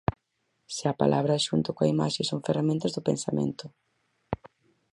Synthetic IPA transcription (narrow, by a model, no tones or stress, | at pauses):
sɪɐpa̰lʔaβɾɐʃunt̪ʊkoa̰ima̰ʃesoŋferamẽnt̪ɐzðʊpḛnsamḛ̃nt̪ʊ